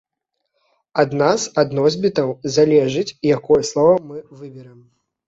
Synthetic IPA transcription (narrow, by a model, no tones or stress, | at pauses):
ad̪nazad̪nɔzʲbʲit̪ɐwzalʲɛʐɨt͡sʲjakɔjɛslˠɔvɐmɨvɨbʲɛɾɨm